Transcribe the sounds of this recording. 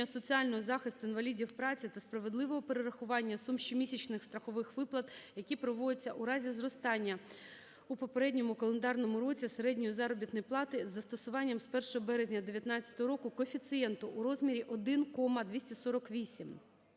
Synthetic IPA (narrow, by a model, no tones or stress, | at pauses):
ɐsɔt͡sʲiɑlʲnɔɦɔzɑxɪst̪ʊinʋɐlʲidʲiwpɾɑt͡sʲit̪ɐspɾɐʋe̞d̪lˠɪʋɔɦɔpeɾeɾɐxʊʋɑnʲːɐsumʃt͡ʃimʲisʲit͡ʃnɪxst̪ɾɐxɔʋɪxʋɪplˠɐt̪jɐkʲipɾɔʋɔd̪ʲɪt͡sʲːɐʔuɾɑzʲizrɔst̪ɑnʲːɐ | upɔpeɾɛdʲnʲɔmʊkɔlˠend̪ɑrnɔmʊɾɔt͡sʲiseɾɛdʲnʲʊjʊzɑɾɔbʲit̪nɔjplˠɑt̪ɪzːɐst̪ɔsʊʋɑnʲːɐmspɛrʃɔɦɔbɛɾezʲnʲɐd̪eʋʲjɐt̪nɑt͡sʲjɐ̥t̪ɔɦɔɾɔkʊkɔfʲit̪sɨjɛnt̪ʊʔːɾɔzmʲiɾʲiʔɔd̪ɪnkɔmɐd̪ʋʲisʲtʲɐsɔɾɔkʋʲisʲim